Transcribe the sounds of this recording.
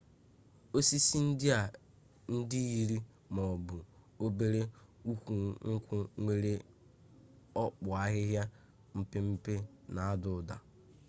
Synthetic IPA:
o˦si˦si˦n̩˦dɪ˦a˨ | n̩˦di˦i˦ɾi˦ | mɔ˨bʊ˨ | o˦be˦ɾe˦u˦kʷu˨ŋ̩˦kʷʊ˦ŋʷe˦ɾe˦ | ɔ˦k͡pʊ˨a˦ɣɪ˦ɦja˦ | m̩˦pɪ˦m̩˦pe˦na˨a˦dʊ˨da̰˨

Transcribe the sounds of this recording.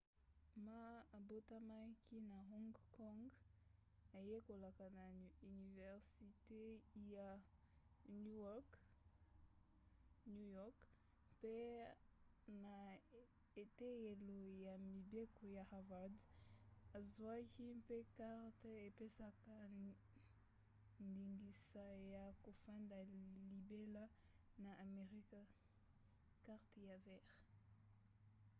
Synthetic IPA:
ma˦a˨bo˦ta˦ma˦kʰi˦na˨ɦɔ̃˦ŋɡkɔ˦ŋɡ | a˨je˦ko˨la˨ka˨na˨y˨ni˨vɛ˨ʁsi˨te˦ja˨ | nu˦ɔk | nu˦jɔ˦k | pe˦ | na˨ | e˨te˦e˨lo˨ja˨mi˨be˦ko˨ja˨havad | a˨zwa˦ki˦pe˦ka˦ʁte˨pe˦sa˦ka | nd̪iŋɡi˨saja˨ko˨fa˦nda˨li˨be˦la˦ | na˨ʔa˨meʁi˦ka | kaʁt̪ja˨vɛʁ

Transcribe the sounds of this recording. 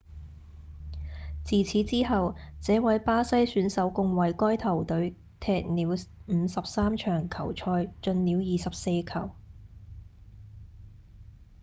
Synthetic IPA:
t͡siː˨˩t͡sʰiː˨˥t͡siː˥ɦɐ˨wt͡sɛː˨˥wɐ˨˥jpaː˥sɐ˥jsyː˨˥nsɐ˨˥wkʊ˧ŋwɐ˨˧jkɔː˥jt̪ʰɐ˨˩wt̪ɵ˨˥ɥ | t̪ʰɛː˨k̚niː˨˥wm̩ː˨˧sɐ˨p̚saː˥mt͡ʃʰœː˨˩ŋkʰɐ˨˩wt͡ʃʰɔː˧jt͡ʃɵ˧nliː˨˥wjiː˨sɐ˨p̚se˧jkʰɐ˨˩w

